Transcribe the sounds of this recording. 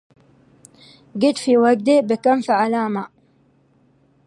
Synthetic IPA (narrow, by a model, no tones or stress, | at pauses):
ɡɪt̪fiwaɡ̚t̪ebɪkamfiʕalaːma